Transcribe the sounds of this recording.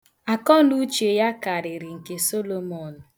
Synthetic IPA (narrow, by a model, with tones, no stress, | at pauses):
a˨kɔ˦nu˦t͡ʃe˨ja˦ka˨ɾɪ˨ɾɪ˨ŋ̩˨ke˨so˦lo˨mɔ˨n̩˨